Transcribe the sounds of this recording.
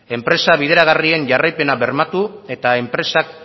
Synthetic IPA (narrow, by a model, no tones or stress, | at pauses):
e̞mpɾe̞saβið̞e̞ɾaɣ̞arie̞nʝarajpe̞naβe̞ɾmat̪ue̞t̪aempɾe̞sak̚